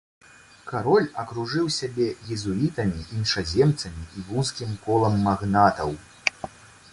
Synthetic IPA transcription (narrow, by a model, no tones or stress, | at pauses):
kaɾɔlʲɐkɾuʐɨwsʲabʲɛjʲɛzuit̪ɐmʲiʔinʂazʲɛmt̪sɐmʲiʔivunskʲimkɔlˠɐmːaɣnat̪ɐ̰w